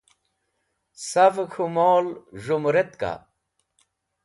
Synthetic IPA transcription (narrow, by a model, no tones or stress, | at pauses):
sɐfkʰumoːlʐumɾet̪ka̰